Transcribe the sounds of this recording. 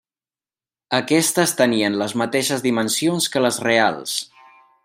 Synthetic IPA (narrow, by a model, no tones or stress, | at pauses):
əkɛst̪əst̪əniənləzmət̪eʃəzðimənsionskələzrea̰lˠs